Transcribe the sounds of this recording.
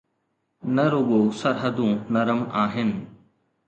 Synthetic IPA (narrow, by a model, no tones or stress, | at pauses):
nɐɾoːɠosɐɾɦəd̪ũnɐɾəmaːɦɪnɪ̆